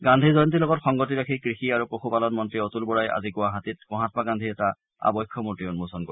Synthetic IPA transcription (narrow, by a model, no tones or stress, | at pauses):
ɡãndʱizɔjɔntilɔɡɔtxɔŋɡotiɹakʰikɹixiaɹupɹoxupalɔnmɔntɹiotulbɔɹajʔa̰zikʊwaɦatit̚ɔɦãt̚paɡandʱiɛta | a̰bɔjkʰːɔmutɹiɔnmusɔnkɔ